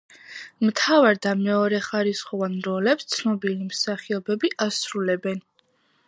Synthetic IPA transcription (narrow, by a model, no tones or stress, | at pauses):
mt̪ʰavaɾd̪amɛɔɾɛχaɾisχɔvanɾɔlɛpst̪sʰnɔbilimsaχiɔbɛbiʔasɾulɛbɛn